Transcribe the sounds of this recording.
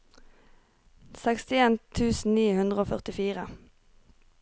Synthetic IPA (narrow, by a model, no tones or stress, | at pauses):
sɛkst̪ɪeːnt̪ʰʉːsn̩niːhʉnd̪ʁəoːfœʁt̪ɪfiːʁə